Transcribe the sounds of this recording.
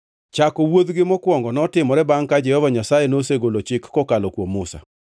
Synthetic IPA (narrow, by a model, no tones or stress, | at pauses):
t͡ʃakɔwod̪ɡɪmɔkwɔŋɡɔnɔtɪmɔɾɛbaŋkad͡ʒɛhɔvaɲasajenoseɡolot͡ʃɪkːɔkalɔkwomːʊsa̰